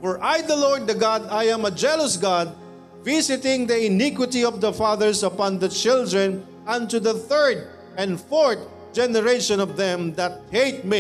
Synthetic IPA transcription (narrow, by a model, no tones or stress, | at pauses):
fɔɹʔajd̪ɐlɔɹd̪̚ːɐɡɑd̪ajãmɐd͡ʒɛləsɡad̪̚ | visɪt̪ɪ̃ŋd̪ɐɪnikwɪt̪iɔvd̪ɐfaðəɹsɐpɑ̃nd̪ɐt͡ʃɪld̪ɹɛ̃n | ãnt̪ud̪ɐθɜɹd̪ | ɛ̃nd̪fɔɹt̪̚ | d͡ʒɛnɛɾeʃɔ̃nɔvd̪ɛ̃md̪ɐt̪̚heɪt̪̚mi